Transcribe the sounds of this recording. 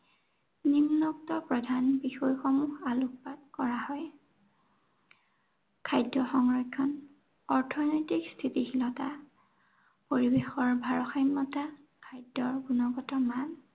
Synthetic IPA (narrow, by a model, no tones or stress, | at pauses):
ninːɔk̚tɔpɹɔdʱanbixɔjxɔmuxaluk̚pad̚kɔɹahɔj | kʰajdːɔxɔŋɹɔjkʰːɔn | ɔɹtʰɔnɔjtikstʰitixilɔta | poɹibexɔɹbʱaɹɔxajmːɔta | kʰajdɔɹɡunɔɡɔtɔman